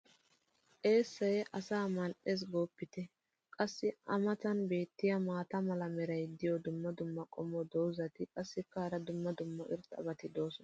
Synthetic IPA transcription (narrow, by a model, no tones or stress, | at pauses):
ʔe̞ːsːɐjɛʔɐsaːmɐlʔes̬ɡoːpːɪt̪ɛ | kʼɐsːɪɐmɐt̪ɐnbe̞ːt̪ːɪjɐmaːt̪ɐmɐlɐmɛɾɐjd̪ɪjɔd̪ʊmːɐd̪ʊmːɐkʼɔmɔd̪ɔwzɐt̪ɪkʼɐsːɪkːaːɾɐd̪ʊmːɐd̪ʊmːɐʔɪ̰ɾt̪ʼɐ̰bɐt̪ɪd̪o̞ːsɔnɐ